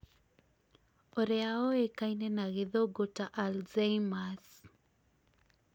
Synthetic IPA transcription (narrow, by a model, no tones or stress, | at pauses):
oɾeaoekainenaɣeðoɡotaʔalzeimas